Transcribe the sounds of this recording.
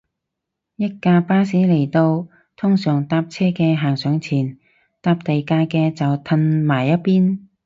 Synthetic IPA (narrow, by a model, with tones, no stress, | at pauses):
jɐ˥t̚kaː˧paː˥siː˨˥le˨˩jt̪o˧w | t̪ʰʊ˥ŋsœː˨˩ŋt̪aː˧p̚t͡sʰɛː˥kɛː˧ɦaː˨˩ŋsœː˨˧ŋt͡sʰiː˨˩n | t̪aː˧p̚t̪e˨jkaː˧kɛː˧t͡sɐ˨wt̪ʰɐ˧nmaː˨˩jːɐ˥t̚piː˥n